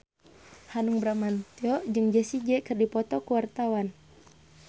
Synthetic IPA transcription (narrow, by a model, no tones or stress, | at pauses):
hanuŋbɾamant̪iɔd͡ʒɨŋd͡ʒɛsid͡ʒɛkɨrdipɔt̪ɔkuwart̪awan